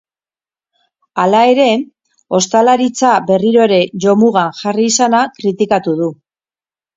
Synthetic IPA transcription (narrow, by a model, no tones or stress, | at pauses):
alae̞ɾe̞ | o̞st̪alaɾit͡sabe̞riɾo̞ɾe̞ʝo̞muɣaŋxariːsanakɾit̪ikat̪uðu